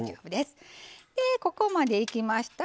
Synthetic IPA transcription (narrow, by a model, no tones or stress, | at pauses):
abɯ̟d̪e̞sɨ̥d̪̥e̞ko̞ko̞mad̪e̞ikʲimaɕi̥t̪a